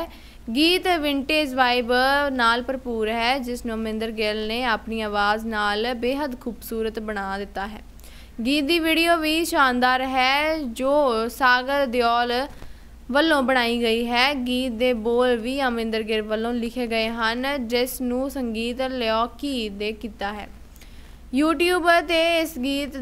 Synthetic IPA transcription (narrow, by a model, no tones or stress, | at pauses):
ɡiːt̪ʋɪɳʈeːd͡ʒʋaːɪbənaːlpəɾpuːɾɦɛːd͡ʒɪsnũːəmɪ̃nd̪əɾɡɪlneːaːpniːaːʋaːznaːlbeːɦəd̪kʰuːbsuːɾət̪bəɽ̃aːd̪ɪt̪ːaːɦɛː | ɡiːt̪̚d̪iːʋiːɽijoːʋiːʃaːnd̪aːɾɦɛːd͡ʒoːsaːɡəɾd̪jɔːl | ʋəlːõːbəɽ̃aːiːɡəiːɦɛːɡiːt̪̚d̪eːboːlʋiːəmɪ̃nd̪əɾɡɪlʋəlːõːlɪkʰeːɡəeːɦənd͡ʒɪsnũːsəŋɡiːt̪lɛɔːkiːd̪eːkiːt̪aːɦɛ̰ː | juːʈjuːbt̪eːɪsɡiːt̪